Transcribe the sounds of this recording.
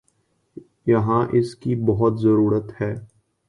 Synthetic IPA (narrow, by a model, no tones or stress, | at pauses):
jɐɦãʔɪskibɐɦʊt̪zɐɾuːɾət̪hɛː